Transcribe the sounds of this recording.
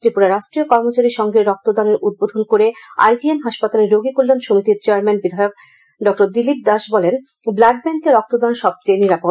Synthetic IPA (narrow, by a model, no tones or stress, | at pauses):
tɾipuɾaɾaʃʈɾijokɔɾmot͡ɕaɾiʃɔŋɡeɾɔk̚t̪od̪aneɾud̪̚bod̪ʱonkoɾea̰jʈienɦaʃpat̪aleɾɾoɡikolːanʃomit̪iɾt͡ɕeaɾmɛnbid̪ʱajok̚ | ɖɔk̚ʈoɾd̪ilip̚d̪aʃbɔlen | blaɖ̚bɛŋkeɾɔk̚t̪od̪anʃɔb̚t͡ɕejniɾapo